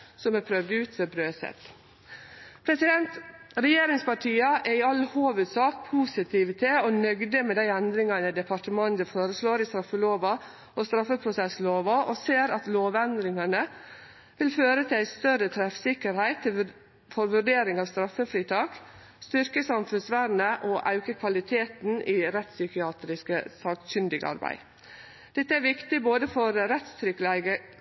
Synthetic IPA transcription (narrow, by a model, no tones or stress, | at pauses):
sɔmɛpʰɾœʋd̪əʉːt̪sebɾøːsɛ̰t̪ | pʰɾɛsɪd̪ɛnt̪ɾɛjeːɾɪŋspɑʈʰiːəʔæɪɑlːhoːʋʉd̪sɑːk̚pʰuːsɪt̪ʰiːʋət̪ʰɪɔnœɡd̪əmɛd̪æɪɛnd̪ɾɪŋɑnəd̪ɛpʰɑʈəmɑnd̪əfoːɾəsloːɾɪst̪ɾɑfːəloːʋɑ | ʔɔst̪ɾɑfːəpʰɾʊsɛsloːʋɑʔɔseːɾɑt̪loːʋɛnd̪ɾɪŋɑnə | ʋɪlføːɾət̪ʰɪlæɪst̪œɾət̪ʰɾɛfsɪkːəɾhæɪt̪ʰːɪ | fɔɾʋʉɖeːɾɪŋɑːʋst̪ɾɑfːəfɾiːt̪ʰɑːk | st̪ʏɾkəsɑmfʉnsʋæɾnəʔɔʔɑʉkəkʰʋɑlɪt̪ʰeːt̪n̩ʔiɾɛt̪sʏkɪɑːt̪ɾɪskə̰sɑːksʏnd̪ɪɡɑ̰ɾbæ̰ɪ | d̪̥ɛt̪ːəæɾʋɪkt̪ɪboːd̪əfɔɾɾɛt̪st̪ʰɾʏklæɡə